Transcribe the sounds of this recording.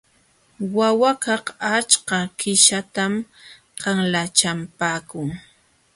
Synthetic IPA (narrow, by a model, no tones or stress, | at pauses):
wawakɑhat͡ʃkɑkɪʃat̪am | qɑŋlat͡ʃampaːkʊŋ